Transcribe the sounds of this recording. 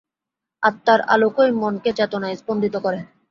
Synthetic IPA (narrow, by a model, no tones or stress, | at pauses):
at̪ːaɾa̰lokojmonket͡ɕɛt̪onajzbond̪ʱit̪okɔɾe